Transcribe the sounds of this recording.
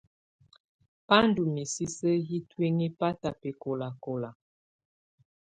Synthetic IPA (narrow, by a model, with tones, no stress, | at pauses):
pa˦n˦du˨mi˨si˦sə˦ji˦twe˦ŋi˦pa˦ta˨pe˨ko˨la˨ko˨la˨